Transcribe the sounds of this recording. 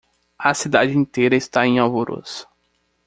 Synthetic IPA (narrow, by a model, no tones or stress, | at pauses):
ɐsid̪ad͡ʒɪĩnt̪ejɾɐɪst̪aẽj̃awvoɾʔo̰sʊ̥